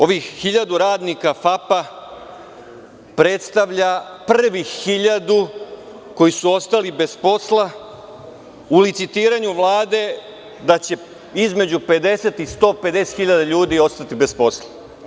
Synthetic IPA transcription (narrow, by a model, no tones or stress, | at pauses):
o̞ʋixhiʎad̪uɾaːd̪nikafapa | pɾe̞t̪st̪aʋʎapr̩ʋixhiʎad̪u | ko̞jisuo̞st̪alibe̞spo̞sla | ulit̪sit̪iːɾaɲuʋlˠaːd̪e̞ | d̪at͡ɕe̞ | izme̞d͡ʑupe̞d̪e̞se̞t̪ist̪o̞ːpe̞d̪e̞set̪xiʎad̪aʎuːd̪io̞st̪at̪ibespo̞sla